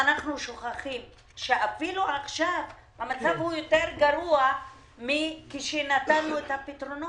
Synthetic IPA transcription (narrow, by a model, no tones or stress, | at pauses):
anaχnuʃoχaχim | ʃeʔafiluʔaχʃav | bamat͡savhujot̪eɾɡaɾua | mikiʃenat̪anːuet̪hapit̪ɾono